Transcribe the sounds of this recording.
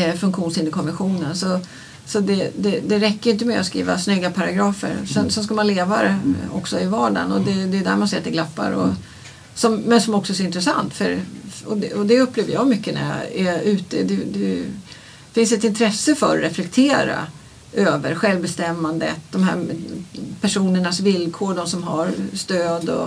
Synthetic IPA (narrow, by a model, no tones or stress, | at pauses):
fɵŋkɧuːnsɪnd̪əkʰɔnvɛnɧuːnənsɔ | sɔd̪ɛd̪ɛd̪ɛɾɛkːəjʏɪnt̪̬əmɛɔt̪skɾḭːva̰snʏɡːapʰaɾaɡɾɑːfə̰ɾsɛnsɛnskamanleːvaɾɛɔksɔɪvɑːɖa̰nɔd̪ɛd̪ɛjd̪æ̰ːɾmansɪːɾt̪ːɛɡlapːa̰ɾɔ̰ | sɔmːɛnsɔmɔksɔsɾɪnt̪ɾɛsa̰nt̪fœɾɔd̪ɛɔd̪ɛɵpːleːvəjɑːɡmʏkːənæ̰ɾjɑ̰ɛʉ̟ːt̪əd̪ɛd̪ɛ | fɪns̬ɛt̪ɪnt̪ʰɾɛsːəfœɾːɛflɛkt̪ʰeːɾa̰ | ʔøːvəɾɧɛlvbɛst̪ɛmːand̪ə̰t̪̚d̪ɔmɦæ̰ɾ | pʰæʂuːnəɳasvɪlkʰoːɖɔmsɔmɦaɾst̪øːd̪ɔ̰